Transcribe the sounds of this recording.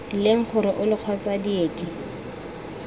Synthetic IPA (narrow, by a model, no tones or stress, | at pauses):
leŋ̩q͡χʰʊɾɔʔʊlɪq͡χʰwat͡sʼadieːtʼi